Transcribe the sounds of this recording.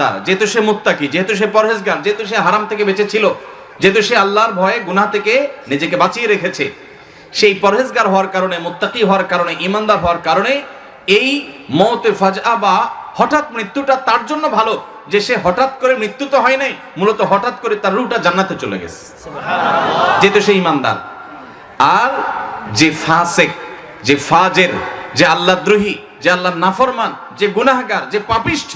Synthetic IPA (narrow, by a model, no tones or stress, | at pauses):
a̰ɾd͡ʑeɦet̪uʃemut̪ːaqid͡ʑeɦet̪uʃ̬epɔɾɦezɡaɾd͡ʑeɦet̪uʃeɦaɾamt̪ʰekebet͡ɕet͡ɕʰilo | d͡ʑeɦet̪uʃealːaɾbʱɔeeɡunat̪ʰekenid͡ʑekebat͡ɕieɾekʰet͡ɕʰḛ | ʃejpɔɾɦezɡaɾɦɔoaɾkaɾonemʊt̪ːaqiɦɔoaɾkaɾoneʔimand̪aɾɦɔoaɾkaɾone | ejmɔwt̪efad͡ʑʔabahɔʈat̪̚mɾit̪ːuʈat̪aɾd͡ʑonːobʱalo | d͡ʑeʃeɦɔʈat̪̚koɾemɾit̪ːut̪oɦɔenaj | mulot̪oɦɔʈat̪̚koɾet̪aɾːuʈad͡ʑanːat̪et͡ɕolḛɡɛ̰sʰe̥ | d͡ʑet̪oʃeimand̪a̰ɾ | aɾd͡ʑefasek̚ | d͡ʑefad͡ʑeɾd͡ʑealːad̪ɾuɦi | d͡ʑealːaɾnafɔɾman | d͡ʑeɡunaɦɡaɾd͡ʑepãpiʃʈʰ